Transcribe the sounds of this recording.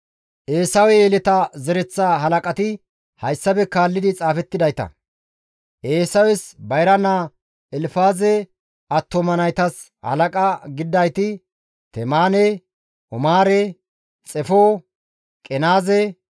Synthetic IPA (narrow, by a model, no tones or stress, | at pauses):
ʔeːsɐwɛeːlɛt̪ɐzɛɾɛt͡sːaːɦɐlɐkʼɐt̪ɪ | hɐjsːɐbɛkaːlːɪd̪ɪt͡sʼaːfɛt̪ːɪd̪ɐjt̪ɐ̰ | ʔeːsɐwɛsbɐjɾɐna | ɛlfaːzɛ | ɐt̪ːomɐnɐjt̪ɐs | hɐ̰lɐkʼɐɡɪd̪ːɐjt̪ɪ | t̪ɛmaːnɛ | ɔmaːɾɛ | t͡sʼɛfo | kʼɛnaːzɛ